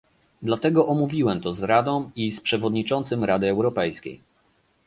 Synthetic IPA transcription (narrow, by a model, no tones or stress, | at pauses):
d̪lat̪ɛɡɔʔɔmuvʲiwɛmt̪ɔzɾad̪ɔ̃w̃ispʂɛvɔd̪ɲit͡ʂɔnt̪sɘmɾad̪ɘɛwɾɔpɛjskʲḛj